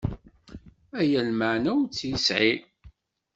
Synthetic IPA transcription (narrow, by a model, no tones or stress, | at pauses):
æjælməʕnæwt͡sːjisʕi